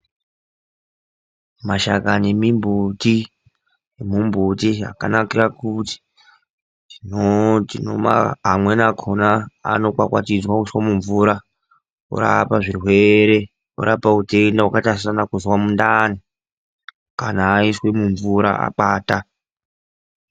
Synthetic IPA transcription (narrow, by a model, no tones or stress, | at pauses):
maʃakane̞mimbuti | jemumbutia̰ka̰nakirakuti̥ | inotino̰ma̰ɦamwenakʰonaa̰no̞kwakwa̰tid͡zwauiswamuɱvuɾa | o̰ɾa̰paʐirwe̞ɾe̞ | o̰ɾapautendawakatasisanakuzwamundani | kanaːiswe̞muɱvuɾa̰a̰ɓaːta